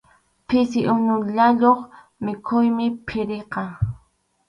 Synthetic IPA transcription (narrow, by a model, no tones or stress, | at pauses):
pɪsɪʔʊnʊʎaʎoχ | mɪkʰʊjmɪpʰɪɾeqɑ